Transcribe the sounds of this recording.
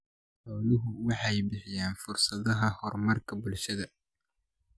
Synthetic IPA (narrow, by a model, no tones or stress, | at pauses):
ħɔːnʊɦʊwɑħɑjbɪħɪjaːnfʊrsɐðɐɦɐhɔrmɐrkʰɐbʊlʃɐðɐ